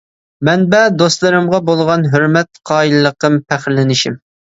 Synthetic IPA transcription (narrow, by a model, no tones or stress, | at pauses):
mɛnbɛd̪ost̪lˠɨɾɨmʁɑbolˠʁɑnɦøɾmɛt̪̚qʰɑːilɨlˠːəqəmpʰæχɾlɪnɪʃim